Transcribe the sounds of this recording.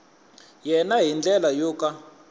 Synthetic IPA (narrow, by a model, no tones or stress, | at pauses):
jɛnaɦind͡ɮɛlajɔːka